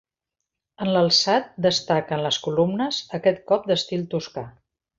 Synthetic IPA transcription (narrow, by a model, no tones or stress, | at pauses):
ənləlˠsat̪̚d̪əst̪akənləskulumnəzəkɛt̪̚kɔp̚d̪əst̪ilˠt̪uska